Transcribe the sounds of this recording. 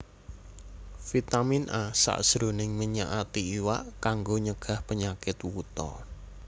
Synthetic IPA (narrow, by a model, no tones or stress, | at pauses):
fit̪aminʔasa̰ʔsɾonɪŋməɲaʔat̪iiwaʔkaŋɡoɲəɡ̥a̤hpəɲakɪt̪wut̪ɔ̰